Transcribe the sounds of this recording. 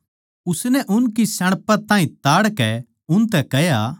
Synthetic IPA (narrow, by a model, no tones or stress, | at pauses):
ʊsnɛʔʊnkisɐɽ̃pat̪ãːĩt̪aːɽkɛ | ʊnt̪ɛkɛɦjaː